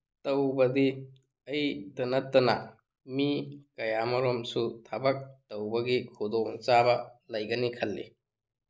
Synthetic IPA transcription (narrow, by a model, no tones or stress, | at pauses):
tɐwbɐdi | ɐjtɐnɐtːɐnɐ̰ | mikɐjamɐɾɔmsutʰɐbɐk̚tɐwbɐɡikʰudɔŋt͡ʃabɐlɐjɡɐnikʰɐlːḭ